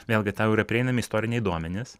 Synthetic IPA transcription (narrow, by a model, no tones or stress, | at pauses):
ʋʲeːlʲˠɡʲɪt̪aːʊiːɾɐpʲɾʲɛɪnɐmʲɪist̪oːɾʲɪnʲɛɪd̪uɔmʲɛnʲɪs